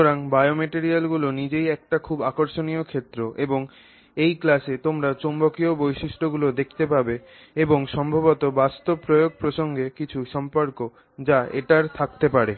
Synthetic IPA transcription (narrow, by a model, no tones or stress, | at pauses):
oɾaŋbajomeʈeɾialɡulonid͡ʑejɛk̚ʈakʰubakoɾʃoniokʰet̪ːɾoʔeboŋ | ejklaʃet̪omɾat͡ɕombokiobojʃiʃʈoɡulod̪ekʰt̪epabe | eboŋʃɔmbʱabot̪obast̪obɾojoɡ̚pɾoʃoŋɡekit͡ɕʰuʃɔmpoɾko | d͡ʑaḛʈaɾt̪ʰak̚t̪epaɾe